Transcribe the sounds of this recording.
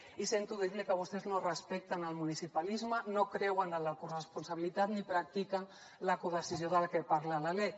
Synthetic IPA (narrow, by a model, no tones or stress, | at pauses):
isent̪uðiðikəβ̞ust̪eznorəspɛk̚t̪ənəlˠmunisipalizmənokɾɛwənələkurəspunsaβ̞ilit̪at̪nipɾak̚t̪ikən | ləkuðəsizioðəlakepaɾlalalej